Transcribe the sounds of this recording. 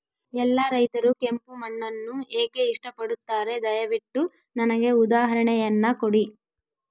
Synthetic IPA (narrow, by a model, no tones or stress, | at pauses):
ɛlːɐɾɐjt̪ɐɾuke̞mpumɐɳːɐnːueːke̞iʂʈɐpɐɽut̪ːaːɾe̞d̪ɐjɐʋiʈːu | nɐnɐɡe̞ud̪aːɦɐɾɐɳɛjɐnːɐkoɽi